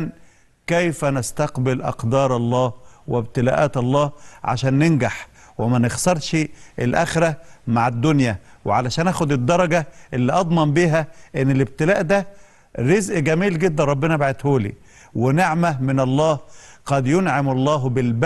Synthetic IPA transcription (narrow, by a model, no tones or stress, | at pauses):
n | kæjfænast̪ɑqbɪlʔɑ̰qd̪ɑːɾˤɑlˤːɑːhwɪbt̪ɪlæ̰ːʔæːt̪ɑlˤːɑːhʕa̰ʃæːnːenɡaħ | wɪmænɪɣsɑɾˤʃʔelʔæxeɾæmaʕad̪ːʊnjæwḛʕalæʃæːnʔæːxod̪ed̪ːɑɾˤɑɡæʔelːiʔɑd̪ˤmɑmbiːɦæʔenːelɪb̚t̪ɪlæːʔd̪æ | ɾezʔɡæmiːlɡed̪ːænɾˤɑbːenɑbaʕet̪hoːlḭː | wɪneʕmæmɪnɑlˤːɑːhqɑd̪jʊnʕamɑlˤːɑːɦbɪlb